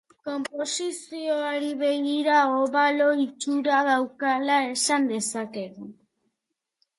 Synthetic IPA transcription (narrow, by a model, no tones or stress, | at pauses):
ko̞mpo̞sisio̞aɾiβe̞ɣiɾaoβalo̞it͡ʃuɾaðawkalae̞sand̪e̞sake̞ɣu